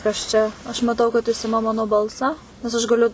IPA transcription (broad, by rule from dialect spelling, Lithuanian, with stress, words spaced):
kɐs ˈt͡ʃʲɛ ɐʃ mɐˈtɐʊ kɐt jɪs ˈɪmɐ ˈmɑːnoː ˈbɐlˠsɑː nʲɛs ɐʃ ɡɐˈlʲʊ